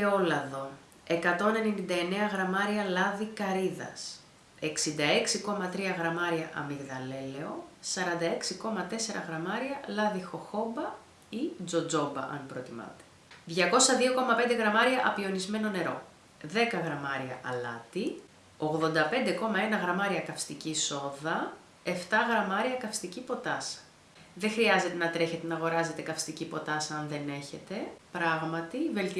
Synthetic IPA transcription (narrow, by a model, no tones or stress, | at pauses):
eo̞lɐðo̞ | e̞kɐt̪o̞ne̞ninind̪ɐe̞ne̞ɐɣɾɐmɐɾiɐlɐðikɐɾiðɐ̰s | e̞ksind̪ɐe̞ksiko̞mɐt̪ɾiɐɣɾɐmɐɾiɐʔɐ̰miɣðɐle̞le̞o̞sɐɾɐnd̪ɐe̞ksiko̞mɐt̪e̞se̞ɾʔɐ̰ɣɾɐmɐɾiɐlɐðixo̞xo̞bɐ | id͡zo̞d͡zo̞bɐ̰ʔɐ̰npɾot̪imɐ̰t̪e̥ | ðʝɐko̞sɐðio̞ko̞mɐpe̞nd̪e̞ɣɾɐmɐɾiɐʔɐpio̞nizme̞no̞ne̞ɾo̞ | ðe̞kɐɣɾɐmɐɾiɐ̰ʔɐlɐ̰t̪i | oɣðo̞nd̪ɐpe̞nd̪e̞ko̞mɐe̞nɐɣɾɐmɐɾiɐkɐfst̪iciso̞ðɐ | e̞ft̪ɐɣɾɐmɐɾiɐkɐfst̪icipo̞t̪ɐsɐ̥ | ðexɾiɐze̞t̪e̞nɐt̪ɾe̞çe̞t̪e̞nɐɣo̞ɾɐze̞t̪e̞kɐfst̪icipo̞t̪ɐsɐɐnðe̞ne̞çe̞t̪e̞pɾɐɣmɐt̪ive̞lt̪i